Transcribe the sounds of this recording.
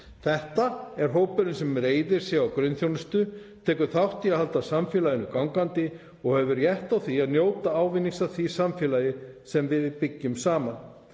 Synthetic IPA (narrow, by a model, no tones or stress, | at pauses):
θɛht̪aɛɾ̥ɦoːwpʏɾʏnsɛmɾeːjðɪɾ̥sɛawkɾʏɥnθjownʏst̪ʏt̪ʰɛːkʏθawht̪iahalt̪asamfjɛːlajɪnʏkawŋkant̪ɪ | ɔɣhɛvʏɾjɛht̪awθiaðnjoːwt̪aaːwvɪnːiŋsaθisamfɛːlajɪsɛmvɪðɪpɪcːʏmsaːman